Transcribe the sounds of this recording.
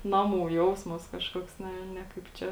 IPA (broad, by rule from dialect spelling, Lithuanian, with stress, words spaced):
ˈnɑːˌmuː ˈjɛʊsmɐs ˈkɑːʃkoːks ˈnʲɛ ˈnʲɛ kɐɪp ˈt͡ʃʲɛ